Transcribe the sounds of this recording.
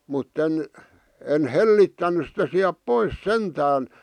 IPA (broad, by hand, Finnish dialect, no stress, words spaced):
mutːen en helːitːænːys sitæ siæp pois sentæːn